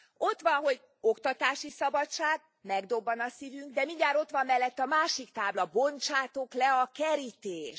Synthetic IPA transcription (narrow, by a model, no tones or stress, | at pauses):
o̞t̪ʋɒnɦo̞ɟ | o̞kt̪ɒt̪aːʃisɒbɒt͡ʃːaːɡ̚ | mɛɡd̪o̞bːɒnɒsivyŋɡd̪ɛmiɲɟaːɾo̞t̪ʋɒmːɛlːɛt̪ːɒmaːʃikt̪aːblɒbont͡ʃaːt̪oklɛɒkɛɾit̪eːʃ